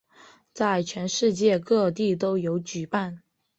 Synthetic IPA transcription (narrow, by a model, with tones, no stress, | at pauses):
t͡sa˥˩ɪt͡ɕʰɥɛ˧˥nʂɻ̩˥˧t͡ɕjɛ˥˧kɤ˥˧t̪̬i˥˩t̪̬o˥ʊjo˧˥ʊt͡ɕy˨˩pa˥˩n